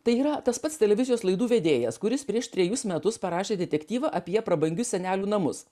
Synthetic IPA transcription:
t̪ɐɪiːɾɐt̪ɐspɐt̪st̪ʲɛlʲɛʋʲɪzʲɪjoːslˠɐɪd̪uːʋʲɛd̪ʲeːjɛskʊɾʲɪspʲɾʲiɛʃt̪ʲɾʲɛjʊsmʲɛt̪ʊspɐɾɑːʃʲeːd̪ʲɛt̪ʲɛkʲt̪ʲiːʋɐʔɐpʲiɛpɾɐbɐŋʲɡʲʊsʲsʲɛnʲæːlʲuːnɐmʊs

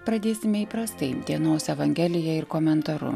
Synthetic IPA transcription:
pɾɐd̪ʲeːsʲɪmʲɛiːpɾɐst̪ɐɪd̪ʲiɛnoːsɛʋɐŋʲɡʲɛːlʲɪjɛɪɾkoːmʲɛnt̪ɐɾʊ̰

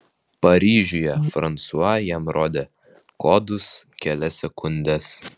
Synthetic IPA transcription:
pɐɾʲiːʒʲʊjɛfɾɐnt̪suɐjɛmɾoːd̪ʲeː | koːd̪ʊskʲɛlʲɛsʲɛkʊnʲd̪ʲɛs

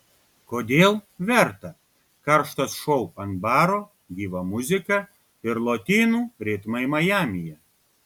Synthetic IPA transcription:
koːd̪ʲeːlˠʋʲɛɾt̪ɐ | kɐɾʃt̪ɐsʃɔʊɐnbɑːɾoː | ɡʲiːʋɐmʊzʲɪkɐ | ɪɾlˠoːt̪ʲiːnuːɾʲiːt̪mɐɪmɐjæːmʲɪjɛ

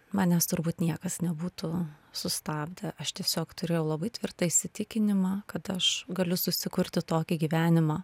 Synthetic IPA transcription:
mɑːnʲɛst̪ʊɾbuːt̪nʲiɛkɐsnʲɛbuːt̪ʊsʊst̪ɑːbʲd̪ʲɛʔɐʃt̪ʲiɛsʲoːkt̪ʊɾʲeːjɛʊlˠɐbɐɪt̪ʲʋʲɪrt̪ɐɪʃʲsʲɪt̪ʲɪkʲɪnʲɪmɑːkɐt̪ɐʃɡɐlʲʊsʊsʲɪkʊɾʲt̪ʲɪt̪oːkʲɪɡʲiːʋʲæːnʲɪmɑː

